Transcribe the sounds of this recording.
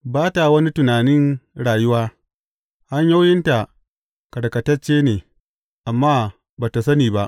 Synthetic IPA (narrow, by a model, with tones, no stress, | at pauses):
baː˦ta˨wɐ˦ni˦tʊ˨naː˨nɪ˦nɽaː˨jʊ˦waː˦ | ha˦ɲja˦wjɪ˦nta˨ | kɐ˨ɽkɐ˨tɐ˦t͡ʃːeː˦neː˨ | ʔa˨mːaː˦ | baː˨ta˨sɐ˦niː˨ba˦ʔ